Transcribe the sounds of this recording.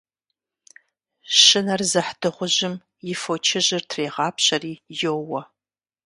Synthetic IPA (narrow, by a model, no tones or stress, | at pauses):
ɕɪnɐrzɐħd̥ɨʁʷʊʑɪm | jɪfot͡ʃʰɪʑɪrtʰreːʁɑːpʰɕɐriːjowɐ